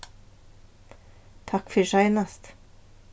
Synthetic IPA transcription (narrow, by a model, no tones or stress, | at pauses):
t̪ʰɑkfœʃœʏnɑst̪